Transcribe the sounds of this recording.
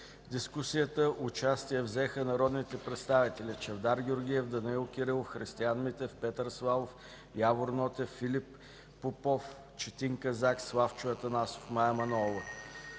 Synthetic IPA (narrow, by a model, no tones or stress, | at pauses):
d̪iskusijət̪əʔʊt͡ʃast̪ijɛvzɛxənɐɾɔd̪nit̪ɛpɾɛt̪st̪avit̪ɛlit͡ʃɛvd̪aɾɡʲiʊɾɡʲijɛvd̪ɐnilˠkʲiɾilˠxɾist̪ianmit̪ɛfpɛt̪əɾsvalˠof | javoɾnɔt̪ɛfilʲipː | opɔf | t͡ʃɛt̪iŋkɐzakslˠaft͡ʃʊət̪ɐnaso̥fmajɛmɐnɔvə